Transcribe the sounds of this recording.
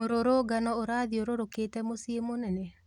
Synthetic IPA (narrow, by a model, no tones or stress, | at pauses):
oɾoɾoːɡanɔoɾaːðioɾoɾoketɛmosiemonɛnɛ